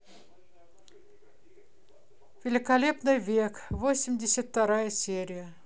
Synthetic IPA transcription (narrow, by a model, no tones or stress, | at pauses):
vʲɪlʲɪkɐlʲe̞pnɨjvʲekvosʲɪmʲdʲɪsʲət̪ːɐɾajəsʲeɾʲɪjə